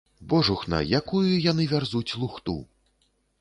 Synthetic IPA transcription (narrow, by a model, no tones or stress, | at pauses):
bɔʐuxnɐ̰jakujujan̪ɨvʲarzut͡sʲlˠuxt̪ṵ